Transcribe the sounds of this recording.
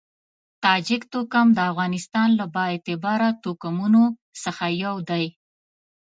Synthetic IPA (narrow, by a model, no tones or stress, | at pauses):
t̪ɑd͡ʒɪkt̪okamd̪əafɣɑnɪst̪ɑnlabɑet̪ɪbɑɾat̪okamuno | səxajawd̪aj